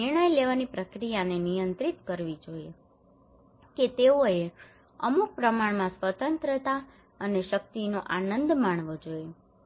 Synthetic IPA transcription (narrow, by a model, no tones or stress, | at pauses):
nɪɾɳ̃əjleʋanipɾəkɾijanenijənt̪ɾit̪kəɾʋid͡ʒoje | ket̪eoe | əmuk̚pɾəmaɳmãsʋət̪ənt̪ɾət̪a | əneʃək̚t̪inoʔanənd̪maɳ̃ʋod͡ʒoe